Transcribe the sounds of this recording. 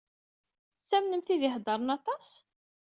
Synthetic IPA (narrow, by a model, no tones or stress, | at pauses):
θəsːæmnəmθiðɪħd̪ˤɑɾˤənɑt̪ˤɑs